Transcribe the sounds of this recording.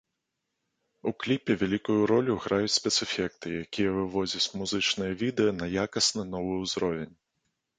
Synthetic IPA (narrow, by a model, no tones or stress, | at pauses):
uklʲipʲɛvʲalʲikujuɾɔlʲuɣɾajut͡sʲsʲpʲɛt̪sɨfʲɛk̚t̪ɨjakʲijɐvɨvɔd͡zʲɐt͡sʲmuzɨt͡ʂnɨjɐvʲid̪ɛjɐnɐjakɐsnɨn̪ɔvɨwzɾɔvʲɛnʲ